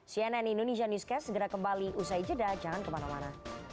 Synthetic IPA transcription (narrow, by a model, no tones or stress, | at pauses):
siɛnɛnindonesianuskɛsəɡəɾakəmbaliʔusaid͡ʒədad͡ʒaŋankəmanamana